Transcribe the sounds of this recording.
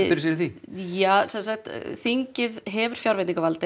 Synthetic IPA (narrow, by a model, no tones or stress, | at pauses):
ɪɾsiɾθijaːsɛnsaxt̪θiɲcɪðɦɛvʏɾ̥fjawɾvɛt̪niŋkavalt̪ɪ